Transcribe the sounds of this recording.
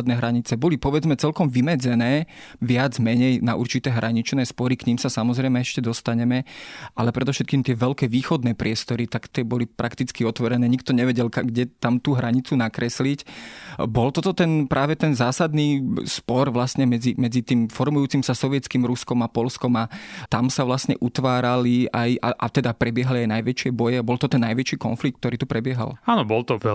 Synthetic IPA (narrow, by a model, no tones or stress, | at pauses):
d̪nɛːɦɾaɲit͡sɛbɔlipɔʋɛd͡zmɛt͡sɛlkɔmʋimɛd͡zɛnɛːʋɪad͡zmɛɲɛjnaʔṵɾt͡ʃit̪ɛːɦɾʔaɲit͡ʃnɛːspɔɾikɲimsasamɔzɾɛɪmɛɛʃcɛd̪ɔst̪aɲɛmɛʔalɛpɾɛd̪ɔfʃɛt̪̚kiːmt̪ɪɛʋɛlkɛːʋiːxɔd̪nɛːpɾɪɛst̪ɔɾit̪akt̪ɪɛbɔlipɾʔakt̪it͡skiɔt̪ʋɔɾɛnɛːɲik̚t̪ɔɲɛʋɛɟɛlkaɡɟɛt̪amt̪uːɦɾaɲit͡sunakɾɛslicbɔlt̪ɔt̪ɔt̪ɛnpɾʔaːʋɛt̪ɛnzaːsad̪niːspɔɾʋlasɲɛmɛd͡zimɛd͡zit̪iːmfɔɾmujuːt͡simsasɔʋjɛt͡skiːmɾuskɔmapɔlskɔmat̪amsaʋlasɲɛʔut̪ʋaːɾaliajaʔat̪ɛd̪apɾɛbɪɛɦaliajnajʋɛt͡ʃɪɛbɔjɛabɔlt̪ɔt̪ɛnːajʋɛt͡ʃiːkɔ̰nflik̚t̪̚t̪ɔɾiːt̪upɾɛbɪɛɦa̰laːnɔbɔlt̪ɔ